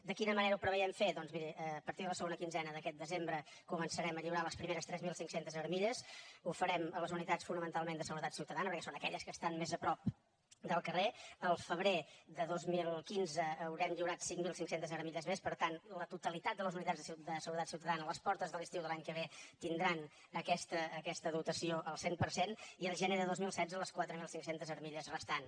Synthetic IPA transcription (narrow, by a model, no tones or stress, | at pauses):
d̪əkinəməneɾəupɾəβəjɛmfeðɔnzmiɾiəːpəɾt̪iðələsəɣonəkinzɛnəðəkɛt̪̚d̪əzembɾə | kumənsəɾɛməʎiwɾaləspɾimeɾəst̪ɾɛzmilˠsiŋksent̪əzəɾmiʎəsufəɾɛmələzunit̪asfunəmənt̪alˠmend̪əsəɣuɾət̪at̪siwt̪əðanəpəɾkɛsonəkɛʎəskəst̪anmezəpɾɔp̚ | d̪əlˠkəreəlˠfəβ̞ɾed̪əðozmilˠkinzəːwɾɛmʎiwɾat̪siŋmilˠsiŋksent̪əzəɾmiʎəzmespəɾt̪anlət̪ut̪əlit̪at̪̚d̪ələzunit̪ad͡zzðəsd̪əsəɣuɾət̪atsiuwt̪əðanələspɔɾt̪əzðəlist̪iwðəlaɲkəβet̪ind̪ɾan | əkɛst̪əːkɛst̪əðut̪əsioʔəlˠsempəɾseniəlˠʒəneðəðozmilˠsɛdd͡zəələskwat̪ɾəmilˠsiŋsent̪əzəɾmiʎəzrəst̪an